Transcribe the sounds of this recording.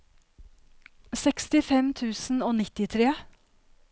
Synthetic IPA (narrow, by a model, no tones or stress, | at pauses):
sɛkst̪ɪfɛmt̪ʰʉːsn̩oːnɪt̪ɪt̪ʰɾeː